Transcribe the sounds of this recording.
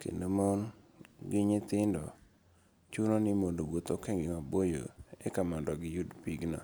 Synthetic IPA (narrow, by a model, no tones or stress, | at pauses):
kḛndomonɡɪɲɪt̪ɪndɔ̰ | t͡ʃunonɪmondoɡot̪okɛŋɡɪŋabojo̰ḛkamandɔɡɪjudpiɡna̰